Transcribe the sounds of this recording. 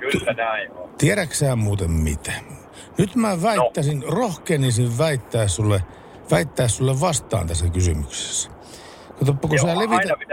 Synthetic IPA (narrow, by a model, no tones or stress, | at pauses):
t̪iæɾæksæːmmuːt̪emmḭt̪æ̥ | nyt̪mæʋæit̪ːæsinrohkeːnːisiʋʋæit̪ːæːssulːe | ʋæit̪ːæːssulːeʋʋɑst̪ˑɑ̰ːnt̪æsːækysy̰mykse̥sːæ̥ | kot̪ɑpːɑkusæːleʋiæ